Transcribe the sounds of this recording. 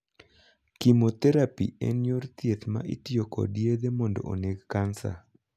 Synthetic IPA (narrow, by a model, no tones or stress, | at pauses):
kimot̪ɛɾapḭḛnjort̪jet̪ma̰ʔɪ̰tijokɔ̰dijed̪emɔndɔ̰o̰neɡkansa̰